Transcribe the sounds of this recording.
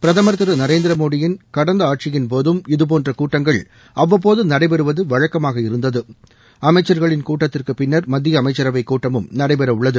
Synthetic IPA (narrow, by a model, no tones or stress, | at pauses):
pɪɾɐðɐmɐɾt̪ɯɾɐnɐɾeːnd̪ɪɾɐmoːɽɪjɪnkɐɽɐnd̪ɐaːʈ̚t͡ʃɪjɪnp̬oːðɯmɪðɯp̬oːndrɐkuːʈːɐŋɡɐɭ | ʔɐʋːɐp̬ːoːðɯnɐɽɐɪbɛɾɯʋɐðɯʋɐɻɐkːɐmaːɣɐɪɾɯnd̪ɐðɯ | ɐmɐɪt͡ʃːɐɾɣɐɭɪnkuːʈːɐt̪ːɪrkɯpɪnːɐɾmɐd̪ːɪjɐːmɐɪt͡ʃːɐɾɐʋɐɪkːuːʈːɐmɯmnɐɾɐɪbɛɾɐʊɭːɐðɯ